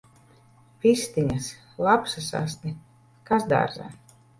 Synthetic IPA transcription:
pʲist̪iɲas | lˠapsasa̰st̪nʲi | kasd̪a̰ɾza̰

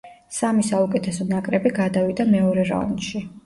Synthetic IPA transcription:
samisaukʼɛt̪ʰɛsɔnakʼɾɛbiɡad̪avid̪amɛɔɾɛɾa̰nʃi

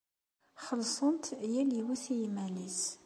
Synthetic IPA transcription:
χəlsˤənt̪jæliwæθjmælis

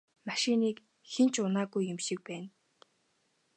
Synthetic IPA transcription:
maʃɪniːk | xent͡ɕʊnaːɡujːemʃɪ̆k̚pæːn

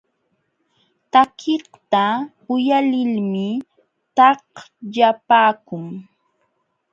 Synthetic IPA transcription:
t̪akʰɪht̪a | ʊjalɪlmɪ | t̪ɑhʎapaːkʊŋ

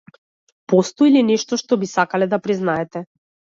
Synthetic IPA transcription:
pɔst̪ɔilinɛʃt̪ɔʃt̪ɔbisakalɛd̪apɾiznaɛt̪ɛ

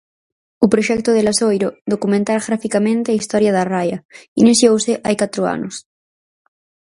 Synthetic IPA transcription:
upɾoʃɛk̚t̪oðelasojɾoðokumẽnt̪aɾaɣɾafikamẽnt̪eaist̪ɔɾjaðarajainiθjowseʔajkat̪ɾoa̰nos

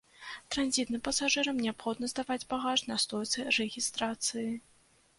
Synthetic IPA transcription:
t̪ɾanʲzʲit̪nɨmpɐsaʐɨɾɐmnʲɛapxɔd̪nɐzd̪avad͡zʲbaɣaʐnɐst̪ɔjt̪sɨrɛɣʲist̪ɾat̪sɨji

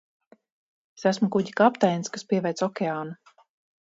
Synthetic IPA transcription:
sæsmukuɟikapt̪ajnskaspiɛvʲɛjt̪sɔkʲɛaːnu

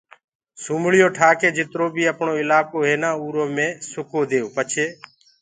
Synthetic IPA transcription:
suːmɭɪjoːʈʰaːkeːd͡ʒɪt̪ɾoːbʱiːəpɳoːɪlaːkoːɦeːnãːuːɾoːmẽːsʊkoːd̪eːoːpət͡ʃʰeː

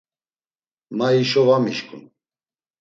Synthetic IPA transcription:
maiʃɔvamiʃkʼṵn

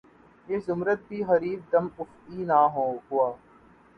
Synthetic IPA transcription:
jeːzʊmɾət̪̚bʱiːɦɐɾiːbd̪ɐmʊft̪iːnaːɦõːhʊaː

